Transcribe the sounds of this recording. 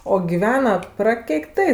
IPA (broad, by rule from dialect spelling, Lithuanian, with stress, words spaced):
oː ɡʲɪˈʋʲæːnɐ prɐkʲɛɪkˈtɐɪ